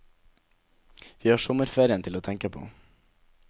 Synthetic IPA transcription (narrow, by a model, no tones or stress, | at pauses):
ʋiːhɑːʂɔmːəɾfeːɾɪənt̪ʰɪloːt̪ʰɛŋkəpʰo̰ː